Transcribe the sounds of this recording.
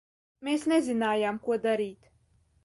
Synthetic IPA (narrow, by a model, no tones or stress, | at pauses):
meːsnezʲinaːjaːmkuɔd̪aɾiːt̪